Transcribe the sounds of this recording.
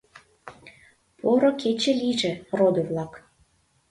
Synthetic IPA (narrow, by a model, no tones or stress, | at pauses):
pʰoɾoket͡ɕĕliʒĕrod̪oβlɑk